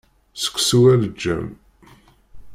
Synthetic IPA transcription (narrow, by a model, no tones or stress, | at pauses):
sə̥kʷːsuwæləd͡ʒːæ̰m